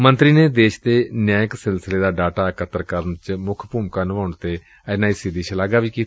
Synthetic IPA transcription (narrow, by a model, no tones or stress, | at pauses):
mənt̪ɾiːneːd̪eːʃt̪eːnjãːjəksɪlsɪleːd̪aːɖaːʈaːkət̪əɾkəɾənt͡ʃmʊkʰpuːmkaːnəʋaːʊɳt̪eː | ənaːiːsɪd̪iːt͡ʃʰəlaːɡaːʋiːkiːt̪ː